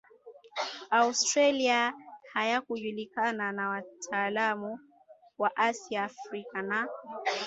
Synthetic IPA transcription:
austɾaliahajakuʄulikananawatʰaːlamu | waʔasiaːfɾikana

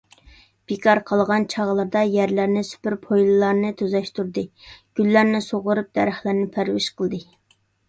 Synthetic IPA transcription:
b̥ekʰɑɾqʰɑlˠʁɑnt͡ʃʰɑʁlˠɑɾd̪ɑjæɾlæɾnɪsy̥pɪɾpʰojlˠɨlˠɑɾnɨt̪ʰøzɛʃt̪uɾd̪ɨɡ̥ʲylːæɾnɪsoʁʊɾup̚d̪̥ɛɾæχlˠæɾnɪpʰæɾwɪ̰ʃqʰəlˠd̪ɨ

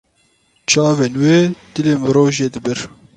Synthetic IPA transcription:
t͡ʃʰɑːveːnweːd̪̥ɨleːmɨɾoːʒeːd̪ɨbɨɾ

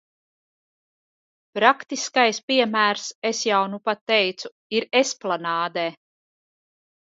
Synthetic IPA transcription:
pɾakt̪iskajspiɛmæːɾsesjawnupat̪ːɛjt̪su | iɾesplˠanaːd̪ɛː

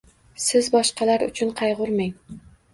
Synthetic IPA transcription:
sɪzbɒʃqɑlaɾʊ̰t͡ʃʰʊnqʰɑjʁʊɾmaŋ

